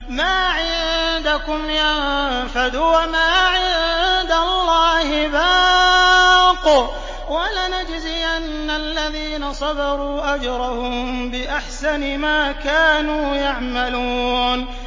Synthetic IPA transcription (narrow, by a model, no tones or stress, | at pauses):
maːʕɪðd̪akʊmjanfad̪uwamaːʕɪðd̪alːɑːhɪbaː | qʊ | walanad͡ʒzɪʔanːalːaðiːnasˤɑd̪ɑɾˤuːʔad͡ʒɾˤɑhʊmbɪʔaħsanɪmaːkaːnuːjaʕmaluːn